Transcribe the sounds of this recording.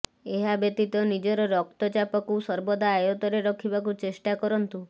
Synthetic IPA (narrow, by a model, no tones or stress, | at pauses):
eɦabjet̪it̪ɔnid͡ʒɔɾɔɾɔkt̪ɔt͡ʃapɔkusɔɾbɔd̪aːjɔt̪ɔɾeɾɔkʰibakut͡ʃesʈakɔɾɔnt̪u